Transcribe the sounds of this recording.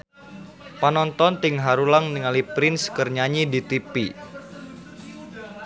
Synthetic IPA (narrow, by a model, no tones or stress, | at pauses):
panɔnt̪ɔnt̪ɪŋɦaɾulaŋniŋalipɾɪnskərɲaɲidit̪ipi